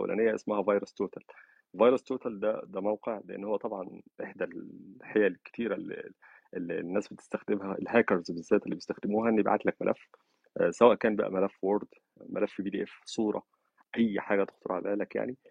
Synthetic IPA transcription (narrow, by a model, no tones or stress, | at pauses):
ʔæwæ̰lʔæ̰ːnejːæʔḛsmæhævɑjɾost̪oːt̪æl | vɑjɾɑst̪oːt̪æld̪æd̪æmæwqeʕleʔḛnːhowːæt̪ˤɑbʕɑnʔeħd̪ælħejælkːe̥t̪iːɾælːḭ | ʔelːinːæːsbet̪e̥st̪æxd̪emhælhækɑɾˤzbezːæːt̪elːiːbjst̪æxd̪emuːhæʔnːib̰ʕa̰t̪lækmæ̰lʔæfː | sæwæːʔkæːnbæ̰ʔæ̰mælæfːwoɾˤd̪ | mʔælæfːbiːd̪iːʔefsˤuːɾˤɑ̰ | ʔæjːħaːɡæt̪ext̪oɾˤʕalæːlækja̰ʕni